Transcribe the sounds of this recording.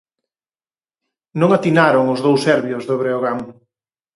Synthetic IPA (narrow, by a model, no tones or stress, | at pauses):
nõŋat̪inaɾʊŋʊzðowsɛɾβjʊzðoβɾeoɣaŋ